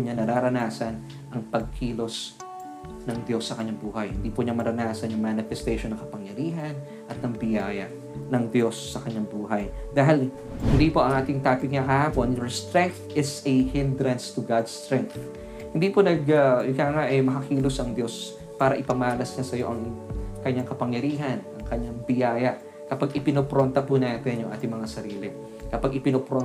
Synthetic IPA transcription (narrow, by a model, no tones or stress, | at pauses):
ɲɐnɐɾaːɾɐnaːsɐn | ʔɐŋpɐɡ̚kʰiːlo̞s | nɐŋd̪jo̞sːɐkɐɲːaŋbuːhɐjhɪnd̪iːpʊɲamɐɾɐnaːsɐnjʊŋmanɪfɛst̪ejʃonːɐŋkɐpɐŋjɐɾiːɦɐn | ʔɐt̪̚nɐŋbɪjaːjɐ | nɐŋd̪jo̞sːɐkɐɲːaŋbuːɦɐjd̪aːɦɪl | hɪnd̪iːpo̞ʔɐŋʔaːt̪ɪŋt̪aːpɪk̚ɲakɐhaːpo̞njoɹst̪ɾɛŋk̚θʔɪsɐhɪnd̪ɾɐnst̪ʊɡad̪st̪ɾɛŋk̚θ | hɪnd̪iːponɐɡɐɪkaːŋaʔɐjmɐkɐkiːlʊsʔɐŋd̪jo̞s | paːɾɐʔɪpɐmaːlɐsɲɐsɐjo̞ʔɐŋkɐɲːaŋkɐpɐŋjɐɾiːɦɐnʔɐŋkɐɲːaŋbɪjaːjɐ | kɐpaɡɪpɪnopɾont̪ɐpʊnaːt̪ɪnjʊŋʔa̰ːt̪ɪŋmɐŋasɐɾiːlɪ | kɐpaɡʔɪpɪnopɾo